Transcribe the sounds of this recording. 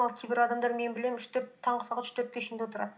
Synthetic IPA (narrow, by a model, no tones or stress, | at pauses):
ɑlˠkʲʰejbɪɾɑd̪ɑmd̪ɑɾme̞nbɪlemʏʃt̪ɵɾt̪ʰɑɴʁəsɑʁɑt̪ʏʃt̪ɵɾp̚k̪ʲeɪʃend̪ewot̪əɾɑd̪